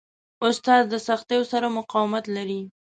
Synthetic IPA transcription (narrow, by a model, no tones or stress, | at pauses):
ʊst̪ɑzd̪əsaxt̪ejosaɾamʊqɑwɪmat̪laɾi